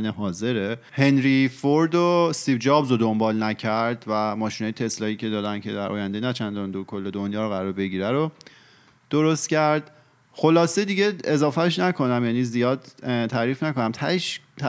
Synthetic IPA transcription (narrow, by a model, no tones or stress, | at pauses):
neɦɒːze̞ɾehe̞nɾifoɾd̪osiːbd͡ʒɒːbzod̪o̞mbɒːlnæcʰæɾd̪væmɒːʃinɒːjet̪ʰe̞slɒːiːcʰe̞d̪ɒːd̪æncʰe̞̰d̪æɾʔɒ̰ːjænd̪e̞næt͡ʃʰænd̪ɒnd̪okʰo̞lːe̞d̪onjɒːɾoɣæɾɒːɾbe̞ɟiːɾæɾo | d̪̥oɾo̞st̪cæɾd̪̥ | xo̞lɒːsed̪iɟe̞ezɒːfæʃ̬nækʰo̞næmjæːniːzijɒːd̪t̪ʰæɾiːfnæko̞næmt̪ʰæʃt̪ʰ